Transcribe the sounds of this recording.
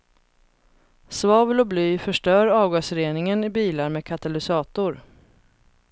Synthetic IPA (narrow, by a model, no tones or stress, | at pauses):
svɑːvəlɔblyːfœʂʈœːɾɑːvɡoːsfœɾeːnɪŋənɪbiːlaɾmeːkʰat̪alɪsɑːt̪ʊɾ